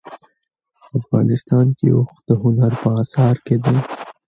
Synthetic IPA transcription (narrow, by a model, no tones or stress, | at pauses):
afɣɑ̰ːnɪst̪ɑːnkḭʊxd̪̥əɦʊnaɾpəɑːsɑːɾked̪e